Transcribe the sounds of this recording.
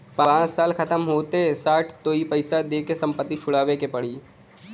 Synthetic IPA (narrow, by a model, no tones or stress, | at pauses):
pããːt͡ʃsaːlkɐt̪əmɦoːt̪esaːʈʰt̪oːipɐɪsad̪eːkesɐ̃mpət̪ːit͡ʃʰʊɽaːʋekepɐɽiː